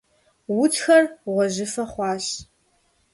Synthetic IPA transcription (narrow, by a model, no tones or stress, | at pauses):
wʊtʰxɐrʁʷɔʑɪfɐχʷɑːɕ